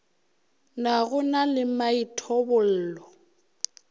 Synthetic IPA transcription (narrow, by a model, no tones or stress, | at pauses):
naɣʊnalɪmaitʰɔbʊl̩ːlɔ